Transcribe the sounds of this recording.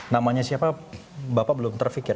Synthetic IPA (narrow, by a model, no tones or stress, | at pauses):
namaɲasiapabapaʔbəlʊmt̪ərfikɪr